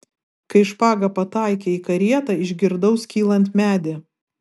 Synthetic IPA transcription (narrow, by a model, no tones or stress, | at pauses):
kɐɪʃpɑːɡɐpɐt̪ɑˑɪkʲeiːkɐɾʲiɛt̪ɑɪʒʲɡʲɪɾd̪ɐʊskʲiːlˠɐnʲt̪mʲæːd̪ʲɪ